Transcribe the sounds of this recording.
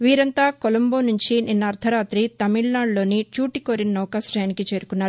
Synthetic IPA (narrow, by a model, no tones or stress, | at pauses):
ʋiːɾɐnt̪aːkolɐmboːnuɲt͡ʃinʔinːɐɐɾt̪ʰɐɾaːt̪ɾit̪ɐmiɭnaːɳɖlo̞ːnit͡ʃuːʈikoːɾinnɔːkaːsʈɐjɐnikit͡ʃe̞ːɾukunːaːɾu